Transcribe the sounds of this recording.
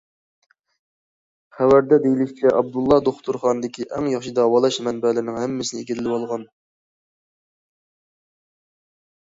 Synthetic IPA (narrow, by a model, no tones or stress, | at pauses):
χæwæɾd̪ɛd̪ejilɪʃʲt͡ʃʲʰɛʔɑb̚d̪ulˠːɑd̪oχt̪ʰuɾχɑːnɨd̪ɪkʲʰiʔɛŋjɑχʃid̪ɑwɑlˠɑʃmɛnbɛlɪɾɪnɪŋhɛmːɪsɪnɪiɡʲilɪlɪwɑlˠʁɑn